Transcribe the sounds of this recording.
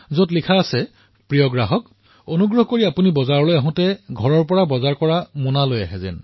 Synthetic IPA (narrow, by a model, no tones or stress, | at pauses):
zotlikʰaːsɛ | pɹijɔɡɹaɦɔk | onuɡɹɔɦkoɹiapunibɔzaɹɔlojaɦʊ̃tɛɡʱɔɹɔɹpɔɹabɔzaɹkɔɹamunaloja̰ɦɛzɛ̰n